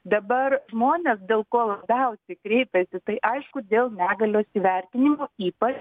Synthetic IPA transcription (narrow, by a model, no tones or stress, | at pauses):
d̪ɐbɐrʒmoːnʲeːsd̪ʲeːlˠkoːlˠɐbʲɛʊsʲɛɪkɾʲɛɪpʲɛsʲɪt̪ɐɪʔɐɪʃkʊd̪ʲeːlˠnʲæːɡɐlʲoːsʲɪʋʲɛˑɾʲt̪ʲɪnʲɪmoːiːpɐt͡ʃ